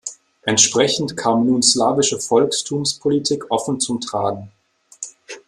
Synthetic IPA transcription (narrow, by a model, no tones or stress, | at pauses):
ʔɛntʃpʁ̥ɛçn̩tkʰaːmnuːnslaːvɪʃəfɔlkstʰuːmspʰolitʰiːkʰʔɔfn̩t͡sʊmtʁ̥aːɡŋ̩